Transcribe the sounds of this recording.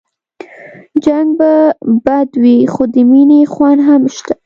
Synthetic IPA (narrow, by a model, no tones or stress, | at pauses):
d͡ʒaŋɡ̚babad̪wixod̪əminexwanɦamʃt̪a